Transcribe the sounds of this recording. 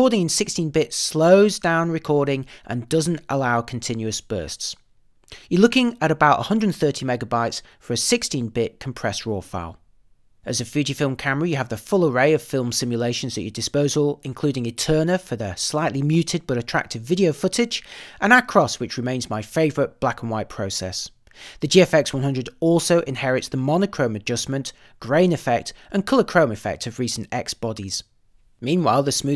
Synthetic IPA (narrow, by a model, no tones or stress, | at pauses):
ɔɹɾɪ̃ŋɨ̃nsɪkstĩnbɪtsloʊzdãʊ̃nɹɨkʰɔɹɾɪ̃ŋʔə̰̃ndʌz̃n̩tʔə̰laʊkʰn̩tʰɪ̃njʉəsb̥ɜ̰ˑ˞sts | jə˞lʊkɪ̃ŋəɾəbaʊtə̰hʌ̃ndɹədⁿn̩θɜˑ˞tʰimɛɡəbaɪtsfə˞ɨsɪkstĩnbɪʔ̚kʰə̃m̩pʰɹ̥ɛsɹɔːfa̰ɪlˠ | ɨzɨfjʉd͡ʒifɪlˠmkʰamə˞əjɨəvðəfʊlˠəɹeɪʌv̥fɪlˠmsɪ̃mjəleɪʃə̃n̩zðɨt͡ʃədɨspoʊzəlˠɪ̃nkʰl̥ʉɾɪ̃ŋɨtʰɜːnəfəðəslaɪʔˡlimjʉtʰɪd̚bʌɾɨtʰɹ̥a̰k̚tʰɨvɪɾioʊfʊɾɪd͡ʒʔə̃nəkʰɹ̥ɒswɨt͡ʃɹɨmẽɪ̃nzmaɪfeɪvə˞ɨt̚b̥lakə̃n̩waɪt̚pʰɹ̥oʊsɛ̰s | ðɨd͡ʒiɛfɛkswʌ̃nhʌ̃ndəɾɔˑlˠsoʊʔɪ̃nhɛɹɪtsðəmɑnəkʰɹ̥õʊ̃mɨd͡ʒʌsmɨ̃nt | ɡ̥ɹẽɪ̃nɨfɛk̚tʔə̃nkʰʌlˠəkʰɹ̥õʊ̃mɨfɛ̰k̚tʰʌvɹisn̩tɛ̰ksb̥ɑɾiz̥ | mĩnwaɪlˠðəsmʉ